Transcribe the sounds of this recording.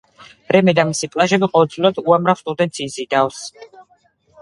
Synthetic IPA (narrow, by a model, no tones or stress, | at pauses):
ɾɛmɛd̪amisipʼlˠaʒɛbiqʼɔvɛld̪zviɾad̪uamɾafst̪ʼud̪ɛnt̪sʰiːsid̪avs